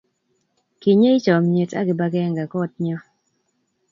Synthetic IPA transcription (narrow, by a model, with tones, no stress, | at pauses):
ki˨ɲe˦ɪ˦t͡ʃɔ˨mɲe˨ta̰˦ɡɪ˨ba˦ɡɛ˦ŋɡa˨kɔ˦t̚ɲɔ˦